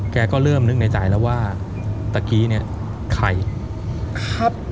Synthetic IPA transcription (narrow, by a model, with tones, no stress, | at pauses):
kɛː˧kɔː˥˩ɾɤː˥˩mnɯ˦˥k̚na˧jt͡ɕaː˨˩jlɛː˦˥waː˥˩ | t̪a˨˧˩kiː˦˥ni˥˩ɐ | kʰa˧˩j | kʰa˦˥p̚